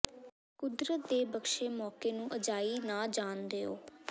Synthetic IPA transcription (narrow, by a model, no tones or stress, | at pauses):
kʊd̪ɾət̪̚d̪eːbəkʃeːmɔːkeːnũːʔəd͡ʒaːiːnaːd͡ʒaːnd̪eːoː